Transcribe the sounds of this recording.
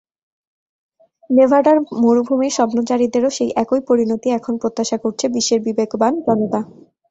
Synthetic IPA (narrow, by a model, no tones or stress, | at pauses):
nebʱaɖaɾmoɾubʱumeʃɔbnot͡ɕaɾid̪eɾoʃejʔɛkojpoɾinot̪iɛkʰonpɾot̪ːaʃakoɾt͡ɕʰebiʃːeɾbibekband͡ʑɔnot̪a